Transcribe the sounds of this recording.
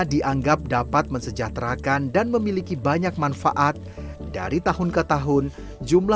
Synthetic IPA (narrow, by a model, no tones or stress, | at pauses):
diʔaŋɡap̚dapat̪̚məɲsəd͡ʒat̪ɾakandanməmilikibaɲak̚manfa̰ʔat̪̚da̰ɾit̪aɦʊnkət̪aɦʊn | d͡ʒumla